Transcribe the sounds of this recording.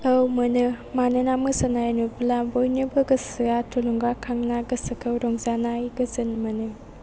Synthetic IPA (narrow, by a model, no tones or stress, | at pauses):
ɐwmɐnɯmanɐnamɐsanajɐnuplabojnɯbɐɡɐsɯɡatʰolɔŋɡakʰaŋnaɡɐsɐkʰɐwɾɔŋzanajɡɐzɐnmɐnɯ